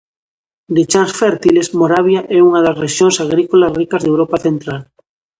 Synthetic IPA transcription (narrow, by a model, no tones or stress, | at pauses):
d̪it͡ʃansfeɾt̪ilesmoɾaβjaʔɛuŋaðasreʃjõŋsaɣ̞ɾikolasrikazðewɾopaθent̪ɾal